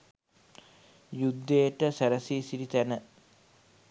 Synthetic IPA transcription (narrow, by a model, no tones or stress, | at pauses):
jud̪ːejʈəsæɾəsiːsiɾit̪ænə